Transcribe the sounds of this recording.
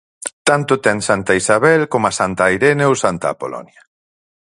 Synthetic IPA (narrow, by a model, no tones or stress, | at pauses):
t̪ant̪ot̪ɛŋsant̪aisaβɛlkomasant̪ajɾɛnewsant̪a̰ːpolɔ̰nja